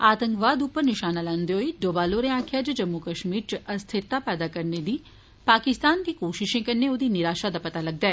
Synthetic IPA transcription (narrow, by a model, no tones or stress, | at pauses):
aːt̪ə̃ŋkʋaːd̪ʊpːəɾnɪʃaːnalãːnd̪eɦoiɖoːbaːloːɾẽãːkʰjad͡ʒɐd͡ʒɐmːukəʃmiːɾt͡ʃəʔɐst̪ʰɪɾt̪apɛːd̪akɐɾned̪iː | paːkɪst̪aːnd̪iːkoːʃɪʃẽkɐɾneʊd̪inɪɾaːʃad̪apɐt̪alɐɡ̚d̪aɛː